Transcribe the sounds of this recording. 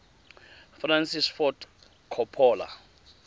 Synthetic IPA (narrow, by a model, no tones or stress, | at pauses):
fransisfɔt | kʰɔpʰɔːla̰